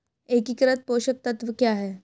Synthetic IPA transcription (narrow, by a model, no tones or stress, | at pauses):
ekikɾat̪̚poɕək̚t̪ət̪ʋəkjaɦe